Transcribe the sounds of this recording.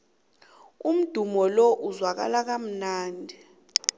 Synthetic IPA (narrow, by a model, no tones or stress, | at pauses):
um̩d̥ʱumɔlɔʔuzwak̬a̰lak̬am̩naːndʱi